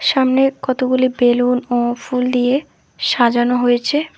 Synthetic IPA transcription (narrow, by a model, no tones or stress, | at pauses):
ʃamnekɔt̪oɡulibelunofuld̪ije | ʃad͡ʑanoɦojet͡ɕʰe